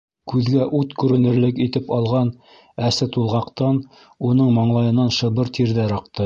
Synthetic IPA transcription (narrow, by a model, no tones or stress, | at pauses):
kʉðɡæʔut̪kʉɾɘ̆nɘ̆ɾlɘkit̪ɘpɑlˠʁɑn | æsɘt̪ulˠʁɑqt̪ɑn | unɤɴmɑɴlˠɑjɤ̆nːɑnʃɤ̆βɤɾt̪ʰiɾðæɾɑqt̪ɤ